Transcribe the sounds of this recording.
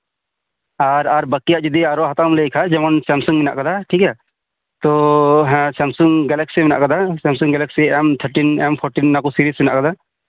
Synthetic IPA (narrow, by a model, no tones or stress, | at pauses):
aɾaɾbəkːijaʔd͡ʒud̪iaɾɔɦat̪amlejkʰad͡ʒɛmɔnsɛmsuŋmina̰ʔkad̪aʈʰikɛ | t̪ɔɦɛ̃sɛmsuŋɡɛlɛksimɛna̰ʔkad̪asɛmsuŋɡɛlɛksiɛmt̪ʰəɾʈinɛmpʰɔɾʈinːakusiɾismina̰ʔkad̪a